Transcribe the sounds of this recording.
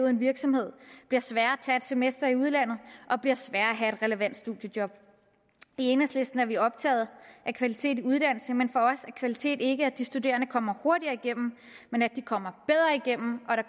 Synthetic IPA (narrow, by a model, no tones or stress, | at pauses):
ʊð̩ˠe̝nʋiɐɡ̥sɒ̽mhe̝ð̞̰ˠb̥liɐsʋæːɐt͡sʰæed̥se̝mesd̥ɐiuð̞ˠlæn̰ð̩ˠʔɒ̽b̥liɐsʋæːɐæɦæe̝d̥ʁɛləʋæn̰d̥sd̥uðˠjəd̥jɒ̽b̥ | ie̝ːnəsle̝sd̥n̩æɐʋiɒ̽b̥̚t͡sʰɛ̰ːð̞̩ˠʔækʰʋælit͡sʰe̝̰ːdiuð̞ˠd̥æn̰l̩səmenfɒ̽ɒ̽sækʰʋælit͡sʰe̝̰ːd̥e̝ɡ̥əæd̥isd̥ude̝̰ːɐnəkʰɒ̽m̰ɐho̝ɐɾiɐiɡ̥em̰m̩ | menæd̥ikʰɒ̽m̰ɐb̥eð̞ˠʁɐiɡ̥em̰m̩ʔɒ̽ɾɑ̈